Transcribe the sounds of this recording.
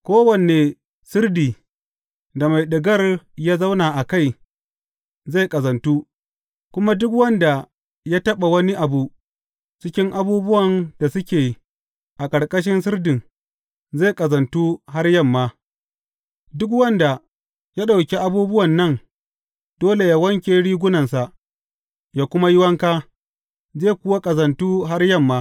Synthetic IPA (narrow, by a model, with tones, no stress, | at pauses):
kʷoː˦wɐ˨ne˨ | sɪ˦rdiː˨ | da˨ma˨jɗɪ˨ɡɐ˦rja˦za˦wnaː˨ʔa˨ka˦˨j | za˦˨jkʼɐ˨zɐ˨ntuː˦ | kʷʊ˦ma˦dʊ˦kwɐ˦nda˨ | jaː˦tɐ˦ɓa˨wɐ˦ni˦ʔa˨bu˨ | t͡ʃɪ˦kʲɪ˦ŋʔa˦buː˦bʊ˦wɐ˨nd̥a˨sʊ˦kʲeː˨ | ʔa˨kʼɐ˨ɽkʼɐ˦ʃ̬ɪ˦nsɪ˦rdɪ˨ŋ | zeː˦˨kʼɐ˨zɐ˨ntuː˦ɦa˦rjɐ˦mːaː˦ | dʊ˦kwɐ˦nda˨ | ja˦ɗa˨wkʲe˦ʔa˨buː˦bʊ˦wɐ˨nːɐ˦˨ŋ | doː˦le˨jaː˦wɐ˦ŋkʲeː˦ɽiː˦ɡʷʊ˦nɐ˨nsa˨ʔ | jaː˦kʷʊ˦ma˦jɪ˦wɐ˦ŋkaː˦ | zeː˦˨kʷʊ˦wa˦kʼɐ˨zɐ˨ntuː˦ɦa˦rjɐ˦˨mːaː˦